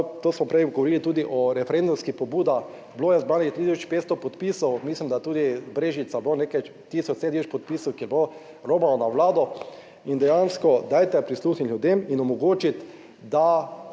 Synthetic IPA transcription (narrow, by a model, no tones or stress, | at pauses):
t̪oːsmɔpɾɛjɡɔʋɔɾiːlit̪uːd̪iʔɔɾɛfɛɾend̪umskixpɔbuːd̪a | bloːjɛzbaːnixt̪ɾit̪is̬ɔt͡ʃpeːt̪st̪ɔpɔt̪pisɔwmislimd̪at̪uːd̪ibɾeːʒit̪sabonekajt̪iːsɔt͡ʃset̪isɔt͡ʃpɔt̪̚piːsɔwkiɛbo | ɾoːbalɔnaʋlaːd̪ɔ | ind̪ɛjanskɔd̪aːjt̪ɛpɾisluːxnitljud̪eminɔmɔɡoːt͡ʃit̪ | d̪a